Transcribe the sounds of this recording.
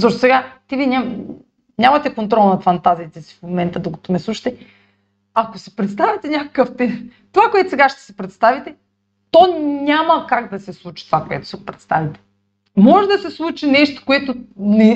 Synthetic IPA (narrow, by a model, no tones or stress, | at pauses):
zoʃt̪o̥sɛɡat̪ivina | ɲamat̪ɛkont̪ɾɔlˠnat̪fant̪aziːt̪ɛsi̥fmomɛnt̪ad̪oko̥t̪omɛslˠuʃi̥t̪ɛ | akosɛ̥pɾɛt̪st̪avit̪ɛɲakḁkəft̪ɛ | t̪ovakoɛt̪osɛɡaʃt̪ɛ̥sɛpɾɛt̪st̪avit̪ɛ | t̪oɲamɐkaɡd̪asɛslˠut͡ʃi̥t̪ovakoɛ̰t̪o̥sɛɡopɾɛt̪st̪avit̪ɛ̥ | mɔʒɛd̪asɛslˠut͡ʃinɛʃt̪o̥koɛt̪onɛ